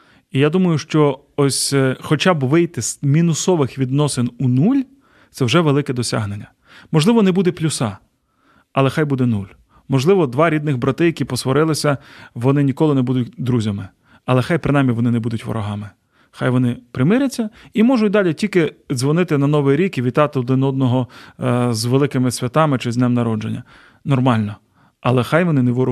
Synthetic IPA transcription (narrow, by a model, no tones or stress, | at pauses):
ijad̪umɐjʊʃt͡ʃɔ | ɔsʲxɔt͡ʃɑbʋɪjt̪ɪz̥mʲinʊsɔʋɪxʋʲid̪nɔsɪnunulʲ | t̪sɛwʒɛʋelˠɪkɛd̪ɔsʲa̰ɦnenʲːɐ | mɔʒlˠɪʋɔnɛbud̪ɛplʲʊsɑ | ɐlˠɛxɑjbud̪ɛnulʲ | mɔʒlˠɪʋɔd̪ʋɑɾʲid̪nɪɣbɾɐt̪ɪjɐkʲipɔsʋɔɾɪlˠɪsʲɐʋɔnɪnʲikɔlˠɪnɛbud̪ʊtʲd̪ɾuzʲɐmɪ | ɐlˠɛxɑjpɾɪnɑmʲiʋɔnɪnɛbud̪ʊtʲʋɔ̰ɾɔɦɑmɪ | xɑjʋɔnɪpɾɪmɪɾʲɐt͡sʲːɐimɔʒʊt̚ʲd̪ɑlʲitʲilʲkɪzʋɔnɪt̪ɪnɐnɔʋɪjɾʲikiʋʲit̪ɑt̪ɪɔd̪ɪnɔd̪̚nɔɦɔ | zʋelˠɪkɪmɪsʲʋʲɐt̪ɑmɪt͡ʃɪznɛmnɐɾɔd͡ʒenʲːɐ̰ | nɔrmɑlʲnɔ | ɐlˠɛxɑjʋɔnɪnɛʋɔɾ